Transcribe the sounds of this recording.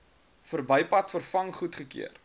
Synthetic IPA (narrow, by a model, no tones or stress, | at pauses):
fərbəjpɐtfərfɐŋχutχəkḭər